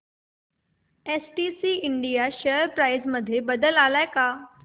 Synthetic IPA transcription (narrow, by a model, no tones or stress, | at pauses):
esʈisiːiɳɖijaɕəɾpɾajd͡zməd̪ʱːjebəd̪əlalajka